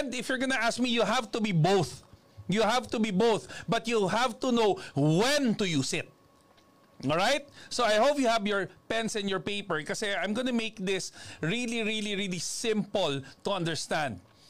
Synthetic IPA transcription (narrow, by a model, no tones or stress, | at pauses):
ɛ̃nd̪ɪfjɔɹɡɐnɐʔask̚mijuɦavt̪ʊbibowθ | juɦavt̪ʊbibowθbɐt̪juhavt̪unowwɛ̃nd̪ujusɪt̪̚ | ʔɔɹajt̪̚soajhoʊpjʊhævjɔɹpɛ̃nsɪ̃njɔɹpeɪpɛɹkɐsɛãjmɡɔnɐmeɪk̚d̪ɪsɹiliɹiliɹilisɪ̃mpəlt̪uɐ̃nd̪ɛɹst̪ãnd̪̚